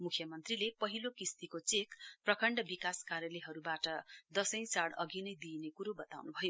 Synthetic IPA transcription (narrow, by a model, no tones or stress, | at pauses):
mukʰjʌmʌnt̪rilepʌɦilokist̪ikot͡sekprʌkʰʌɳɖʌbikaskaɾjʌleɦʌɾubaʈʌd̪ʌsʌ̃j̃saɽʌ̰ɡinʌjd̪inekuɾobʌt̪a̰wnubʱʌjo